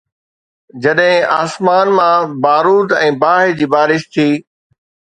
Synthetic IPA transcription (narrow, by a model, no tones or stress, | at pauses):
d͡ʑɐɗɦɪ̃aːsmaːnmãbaːɾuːd̪ɛ̃ːbaːɦɪd͡ʑiːbaːɾɪʃt̪ʰiː